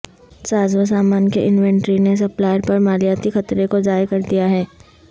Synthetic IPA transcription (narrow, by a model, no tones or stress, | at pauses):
saːzʋəsaːmaːnkeʔɪnʋɛ̃ɳʈɾines̬ɐplaːjɾpɐɾmaːljaːt̪ixɐt̪ɾekod͡ʒaːjkɐɾd̪ijaɦɛː